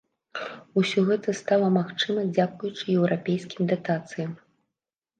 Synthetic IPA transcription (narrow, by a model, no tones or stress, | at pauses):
usʲɔɣɛt̪ɐst̪alˠɐmaxt͡ʂɨmɐd͡zʲakujut͡ʂɨjɛwɾapʲejskʲimd̪at̪at̪sɨjɐm